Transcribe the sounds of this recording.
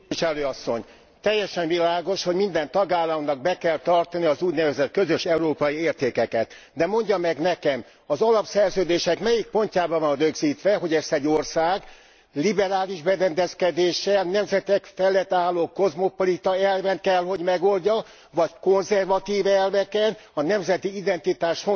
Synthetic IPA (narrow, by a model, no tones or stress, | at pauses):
iʃɛløːɒsːo̞̰ɲ | t̪ɛjːɛʃɛɱvilaːɡo̞ʃho̞ɟmind̪ɛnt̪ɒɡaːlːɒmnɒɡ̚bɛkɛlt̪ɒrt̪ɒniɒzuːɟnɛvɛzɛt̪kø̞zøʃɛuɾoːpɒjieːrt̪eːkɛkɛt̪ | d̪ɛmo̞ɲɟɒmɛɡnɛkɛm | ɒzɒlɒpsɛrzøːd̪eːʃɛkmɛjik̚po̞ɲcaːbɒvɒnrøɡziːt̪ʋɛɦo̞ɟɛst̪ɛɟorsaːɡ | libɛɾaːliʒbɛɾɛnd̪ɛskɛd̪eːʃɛnɛmzɛt̪ɛkfɛlːɛt̪ːaːlːoːko̞zmo̞po̞lit̪ɒɛlvɛnkɛlɦo̞ɟmɛɡo̞lɟɒ | vɒcko̞nzɛrvɒt̪iːvɛlvɛkɛnɒnɛmzɛt̪iid̪ɛnt̪it̪aːʃfo